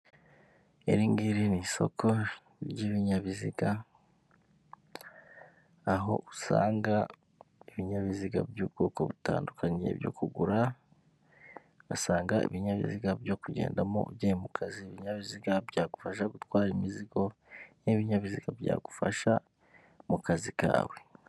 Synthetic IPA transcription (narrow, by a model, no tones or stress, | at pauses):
e̞ɾiŋɡiɾiniso̞̰kʰo̞ | ɾjiβiɲaβiziɡa | ɦo̞̰ʔusa̰ːŋɡa | iβiɲaβiziɡa̰bjuːbɡoːkoβuta̰ːndukʰaɲḛβjo̞̰kuɡuɾa | asaːŋɡaḭβiɲaβḭziɡabjo̞kuɟḛːndamo̞̰bɟeemukʰaziβiɲaβiziɡabɟaːɡufaʃaɡutwaːɾimiziɡo̞niβiɲaβiziɡ̥abja̰ːɡ̥ufaʃa | mukazika̰ːwe̞